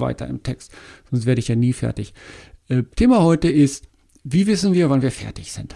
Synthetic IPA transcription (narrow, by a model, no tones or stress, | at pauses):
va̰ɪtɐ̰ɪ̰mtʰɛkstz̥ɔnstveːɐdəɪçjaːniːfɛ̰ɐtɪçʔɛːtʰeːmahɔʏtəʔɪst | viːvɪsn̩viːɐvanviːɐfɛ̰ɐtɪçz̥ɪnt